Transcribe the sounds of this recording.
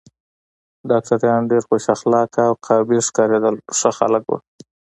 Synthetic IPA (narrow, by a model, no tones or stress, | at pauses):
ɖɑk̚ʈaɾjɑnɖeɾxoʃaxlɑkawqʰɑbiʂkɑɾed̪əlʂəxa̰ləkwṵ